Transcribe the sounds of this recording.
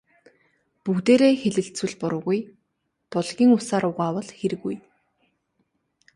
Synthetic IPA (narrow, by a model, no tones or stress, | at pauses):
puɣt̪eːɾeːxeɮɘ̆ɬt͡sŭɮpʊɾʊ̆ːɣuj | pɔɮɣʲiːŋʊsaːɾʊʁaːwə̆ɮxeɾɘ̆ɣuj